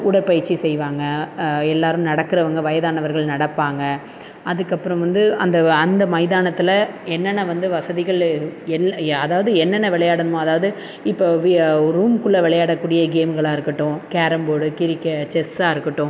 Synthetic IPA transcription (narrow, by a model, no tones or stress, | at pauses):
ʊɽɐɾpɐjɪɾt͡ʃːisɛjʋaːŋɡɐɛlːaːɾɯ̃mnɐɽɐkːɪɾɐʋɐŋɡɐʋɐjɐðaːnɐʋɐɾɣɐɭnɐɽɐpːaːŋɡɐ | ɐðɯkːɐpːɯɾɐ̃mʋɐnd̪ɯɐnd̪ɐɐnd̪ɐmɐɪðaːnɐt̪ːɪlɐɛnːɐnːɐʋɐnd̪ɯʋɐsɐðɪɣɐɭɛnːɐðaːʋɐðɯɛnːɐnːɐʋɪɭɐjaːɽɯnɯmõɐðaːʋɐðɯ | ɪpːoːʋɾuːmkɯɭːɐʋɪɭɐjaːɽɐkːuːɽɪjɐɡeːmɡɐɭaːɪɾɯkːɐʈːʊ̃keːɾɐmboːɽɯkɪɾɪkːɐt͡ʃɛsaːɪɾɯkːɯʈːʊ̃